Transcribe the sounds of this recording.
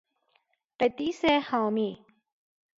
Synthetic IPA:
pet̪isehãwmiː

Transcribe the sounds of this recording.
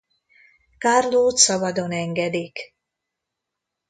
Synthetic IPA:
karloːt̪sɒbɒd̪o̞nɛŋɡɛd̪ik

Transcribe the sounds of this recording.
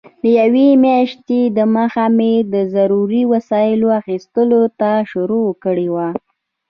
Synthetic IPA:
d̪əjawemjaʃt̪ed̪əmaxamed̪əzaɾuɾiwasɑjɪloaxist̪əlot̪aʃʊɾokəɽewa

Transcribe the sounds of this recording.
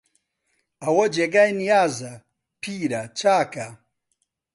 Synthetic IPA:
ɐwɐd͡ʒeɡajnijaːzɐ | pʰiːɾɐt͡ʃaːka

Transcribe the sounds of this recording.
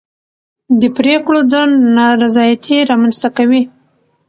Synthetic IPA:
d̪əpɾekɽod͡zaɳdnɑɾazɑjat̪ʰeɾɑmanst̪akawi

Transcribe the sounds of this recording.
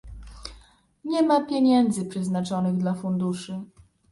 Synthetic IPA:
ɲɛmapʲjeɲɛnd̪zɘpʂɛznat͡ʂɔnɘɣd̪lafund̪uʂɘ

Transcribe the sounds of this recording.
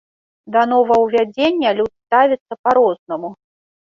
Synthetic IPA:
d̪ɐnɔvɐwvʲad͡zʲenʲːɐlʲut̪st̪avʲit̪sːɐpaɾɔznɐmu

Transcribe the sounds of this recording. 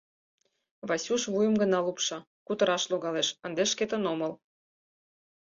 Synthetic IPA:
βɑsʲuʃβujəmɡə̆nɑlupʃɑ | kut̪əɾɑʃloɣɑleʃənd̪eʃket̪ənoməl

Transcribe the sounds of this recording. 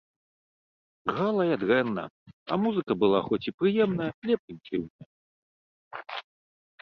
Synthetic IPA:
ɣalˠɐjɐd̪ɣɛnːɐ̰ɐ̰muzɨkɐbɨlˠaxɔt͡sʲipɾɨjɛmnɐjɐlʲɛpɾɨnʲk̪ʲɨwnɐj

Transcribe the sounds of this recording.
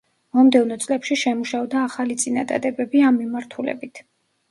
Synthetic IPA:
mɔmd̪ɛvnɔt̪sʼlɛpʃiʃɛmuʃaɔd̪aːχalit̪sʼina̰d̪a̰d̪ɛbɛbiamːimaɾt̪ʰulɛ̰bit̪ʰ

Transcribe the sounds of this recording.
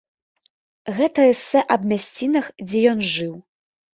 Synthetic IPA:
ɣɛt̪ɐɛsːɛʔɐbmʲasʲt͡sʲinɐxd͡zʲɛjɔnʐɨw

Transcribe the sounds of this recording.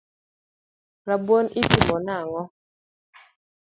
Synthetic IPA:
ɾabwɔnipimɔnaŋɔ

